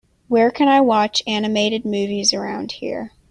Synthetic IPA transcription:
wə˞kʰɨ̃ñaɪwɑt͡ʃænɨmeɪɾɨd̚mʉvizə˞ãʊ̃nd̥̚hḭɹ

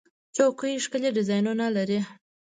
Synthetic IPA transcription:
t͡ʃokujiʂkəleɖɪzɑjnunalaɾi

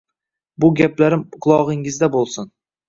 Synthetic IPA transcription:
bʊɡʲaplaɾɪmqʰʊlˠɒʁɪŋɪzd̪abolˠsʊn

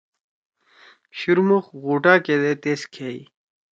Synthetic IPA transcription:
ɕuɾmuxɣuːʈaːked̪et̪eːskʰeːḭ

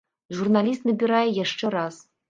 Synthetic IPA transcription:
ʐurnɑlʲis̬t̪nɘ̆bʲiɾɑjjɘ̆ʂt͡ʃɘ̆ɾɑs

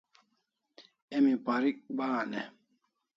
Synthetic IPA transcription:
emipaɾik̚ɓaːnɛ

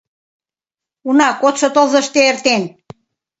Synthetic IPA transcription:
unɑkot̪ʃŏt̪olzə̆ʃt̪eert̪en

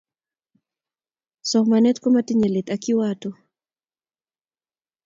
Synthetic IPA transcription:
sɔkmanɛt̪kɔmatiɲɛlɛt̪akiwatɔ

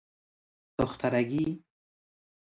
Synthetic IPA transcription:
t̪ʊxt̪aɾaɡi

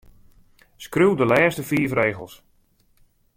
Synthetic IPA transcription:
skrywdəlɛːstəfiːfreːɣə̰lˠs

